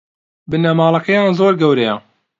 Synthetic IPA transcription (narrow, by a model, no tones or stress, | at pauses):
bɨnɐmɑːlˠɐkɐjaːnzoːɾɡɐwɾɐjɐ